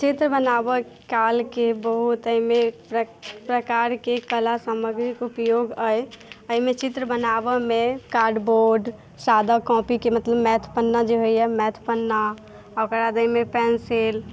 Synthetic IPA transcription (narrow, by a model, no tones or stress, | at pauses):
t͡ʃit̪ɾəbənabə | kalkebəɦut̪əɦimẽppɾəkaɾkekəlasəməɡɾikupjoɡəəɦimet͡ʃit̪ɾəbənabəmẽkaɾɖboɾɖ | sad̪akɔ̃pikemət̪ləbmɛt̪ʰpənːad͡ʒeɦoiɛmɛt̪ʰpənːa | ɔkəɾad̪əimepɛnsel